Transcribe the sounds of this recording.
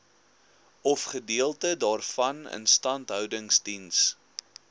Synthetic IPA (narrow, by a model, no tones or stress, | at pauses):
ɔfχədiəlˠtədɑːrfɐnə̰nstɐntɦœwdəŋstins